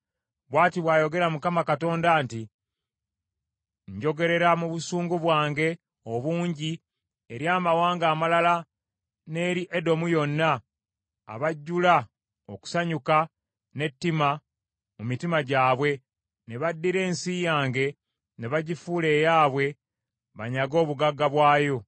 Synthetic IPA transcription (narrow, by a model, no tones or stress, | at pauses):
βwaːtiβwaːjo̞ɡe̞ɾamukamakato̞ːndaːnti | ɲɟo̞ɡe̞ɾe̞ɾamuβusuːŋɡuβwaːŋɡe̞ | oβuːɲɟi | eɾjaːmawaːŋɡaːmalala | ne̞ɾiʔe̞do̞mujo̞nːa̰ː | βaɟːula | o̞ku̥saɲuka | ne̞tːima | mumitimaɟaːβwe̞ | neβadːiɾe̞ːnsijaːŋɡe̞ | neβaɟifule̞ːjaːβwe̞ | βaɲaɡo̞ːβuɡaɡːaβwaːjo̞